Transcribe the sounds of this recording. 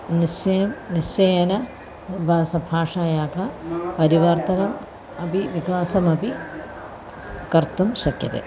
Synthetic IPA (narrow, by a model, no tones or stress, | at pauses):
nisɐɐmnisjɐjɐnɐ | bʱaːsɐbʱaːʂaːjaːkɐpɐɾiʋɐrt̪ɐnɐm | ɐbiʋikaːsɐmɐbʱi | kɐrt̪umɕɐkjɐ̰t̪ḛː